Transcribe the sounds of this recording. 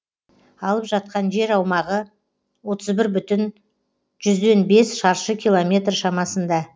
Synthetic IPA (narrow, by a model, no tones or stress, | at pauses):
ɑlˠəpʒɑt̪̚qɑnʒe̞ɾɑwmɑʁə | wo̞t̪ʰəzbɪɾbʏt̪ɪn | ʒʏzd̪e̞nbe̞sʃɑɾʃəkʲilˠo̞mʲe̞t̪rʃɑmɑsənd̪ɑ